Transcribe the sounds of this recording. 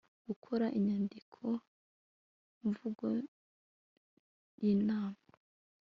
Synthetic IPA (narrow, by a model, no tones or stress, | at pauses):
ɡ̥ukʰoɾaʔiɲaːndikʰo | ɱvuɡo | jinaːma